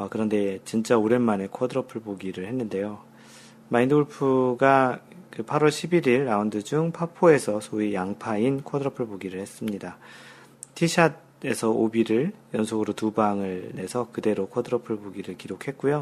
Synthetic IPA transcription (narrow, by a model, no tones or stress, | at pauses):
ʌkɯɾʌnde̞t͡ɕint͡ɕ͈aoɾe̞nmane̞kʰʌdɯɾʌpʰɯɭpoɡiɾɯɭhe̞nːɯnde̞jo | mainduɭpʰɯɡa | kɯpʰaɾwʌɭɕʰibiɾiɭːaundɯd͡ʑuŋpʰapʰoe̞sʰʌsʰoijaŋpʰainkʰʌdɯɾʌpʰɯɭpoɡiɾɯɭhe̞s͈ɯmɲida | tʰiɕʰad̚ | e̞sʰʌobiɾɯɭjʌnsʰoɡɯɾotubaŋɯɭne̞sʰʌkɯde̞ɾokʰʌdɯɾʌpʰɯɭpoɡiɾɯɭkiɾokʰhe̞t̚k͈ujo